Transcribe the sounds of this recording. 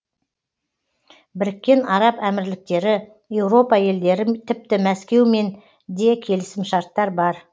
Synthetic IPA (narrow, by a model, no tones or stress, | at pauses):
bɪɾɪkʲːe̞nɑɾɑpæmɪɾlɪk̚t̪e̞ɾɪ | je̞wɾo̞pɑje̞ld̪e̞ɾɪt̪ʰɪp̚t̪ɪmæskʲe̞wme̞n | d̪e̞kʲʰe̞lɪsɪmʃɑɾt̪ːɑɾbɑɾ